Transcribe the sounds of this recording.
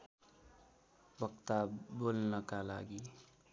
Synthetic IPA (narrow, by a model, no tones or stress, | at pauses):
bʌkt̪abolnʌkala̰ɡi